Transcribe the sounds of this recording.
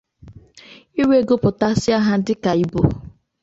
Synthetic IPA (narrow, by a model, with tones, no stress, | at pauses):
i˦we˦˨ɡo˦pʊ˨ta˦sɪ˦a˦ɦa˦dɪ˦ka˨i˨bo˨